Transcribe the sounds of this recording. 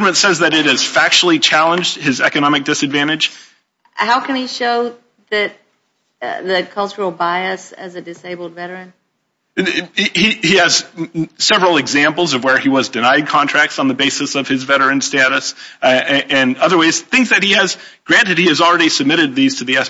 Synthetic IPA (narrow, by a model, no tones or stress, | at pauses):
ə˞mɨ̃ntsɛzðɨɾɨɾɨz̥fæk̚t͡ʃl̩ˠit͡ʃʰælˠə̃nd͡ʒd̥ɨzɛkɨnɑmɨk̚d̥ɨsɨdvæ̃ɾ̃ɨd̥ʒ̥ | haʊkɨ̃niʃoʊ | ðɨt̪̚ | ðɨkʰʌlˠt͡ʃə˞l̩ˠbaɪɨsɨ̰zɨdɨseɪbl̩ˠdvɛɾə˞ɨ̃n | hihiɨz̥sɛvɹl̩ˠɨɡzæ̃mpl̩ˠzʌvwə˞iwʌzdɨnaɪd̚kʰɑ̃ntʰɹ̥æk̚tsn̩ðɨbeɪsɨsʌv̥ɨzvɛɾə˞ɨ̃nstæɾɨsɨɨ̃nʌðə˞waɪz̥θɪ̃ŋzðɨt̚hiɨz | ɡ̥ɹæ̃ntɨd̚hiɨzl̩ˠɹɛɾisɨb̚mɪɾɨd̪̚ðiz̥tʰɨðiɛs